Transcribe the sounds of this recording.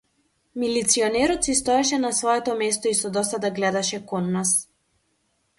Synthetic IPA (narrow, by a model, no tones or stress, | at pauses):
milit̪siɔnɛɾɔt̪sist̪ɔɛʃɛnasvɔɛt̪ɔmɛst̪ɔisɔd̪ɔsad̪aɡlɛd̪aʃɛkɔnːas